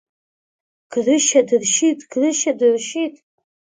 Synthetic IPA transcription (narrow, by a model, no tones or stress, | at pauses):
ɡ̥rɨʃadɨrʃitʼɡ̥rɨʃadɨrʃitʼ